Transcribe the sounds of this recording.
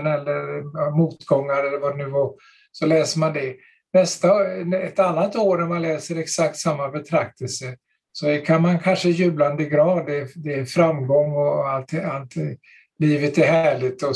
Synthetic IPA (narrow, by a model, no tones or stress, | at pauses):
nɛlːəɾmuːt̪ɡɔŋːaɾɛlːəɾvad̪ɛnʉ̟ːvɑɾ | sɔlɛːsəɾmand̪ɛ | nɛst̪aɛt̪anːat̪oːɾnæmanlɛːsəɾɛksak̚t̪samːabɛt̪ʰɾak̚t̪əlsə | sɔɛkʰanmankʰanʂəjʉ̟ːbland̪əɡɾɑːd̪ɛd̪ɛfɾamːɡɔŋːɔalt̪alt̪ | liːvət̪æɾhæːɭɪt̪ɔ